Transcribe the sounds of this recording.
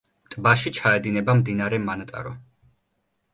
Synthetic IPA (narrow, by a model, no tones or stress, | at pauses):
t̪ʼbaʃit͡ʃʰaɛd̪inɛbamd̪inaɾɛmanat̪ʼa̰ɾɔ